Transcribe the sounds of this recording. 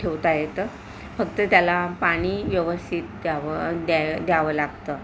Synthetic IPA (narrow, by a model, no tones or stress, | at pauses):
ʈʰeʋt̪ajet̪ə | fəɡt̪ət̪jalapaɽ̃iːʋjəʋəst̪ʰit̪̚d̪aʋəd̪ad̪jaʋəlaɡt̪əː